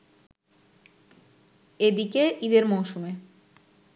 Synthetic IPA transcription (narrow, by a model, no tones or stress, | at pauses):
ed̪ikeʔid̪eɾmowʃume